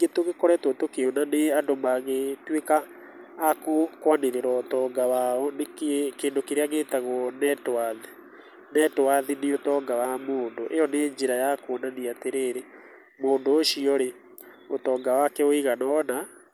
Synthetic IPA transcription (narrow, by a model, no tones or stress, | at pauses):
iŋɡetoɣekɔɾɛtwotokeonaneandomaɣetwekaː | kokwaneɾeɾɔotɔːŋɡawaɔnekekeːndokeɾeaɣeːtaɣɔnɛtwaði | nɛtowaðineotɔːŋɡawamoːndoʔejɔneɲd͡ʒeɾajakoɔnaniateɾeːɾe | moːndoːʃiɔɾe | otɔːŋɡawakɛoiɣanaɔna